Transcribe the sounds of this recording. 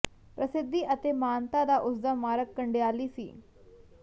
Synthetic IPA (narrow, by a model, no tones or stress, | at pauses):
pɾɐsɪd̪ʱːiʔət̪emaːnt̪ad̪aʔʊsd̪əmːaːɾəkːəɳɖeaːliːsḭː